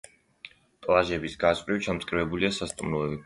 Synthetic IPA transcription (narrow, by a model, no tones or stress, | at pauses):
pʼlˠaʒɛbisɡasqʼɾit͡ʃʰamt̪sʼkʼɾivɛbuliasast̪ʼumnuɛbi